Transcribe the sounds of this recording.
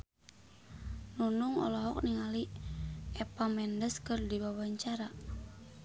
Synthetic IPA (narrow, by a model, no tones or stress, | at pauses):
nunuŋɔ̰lɔɦɔk̚niŋali | ɛpamɛndəskɨrdibawaɲt͡ʃaɾa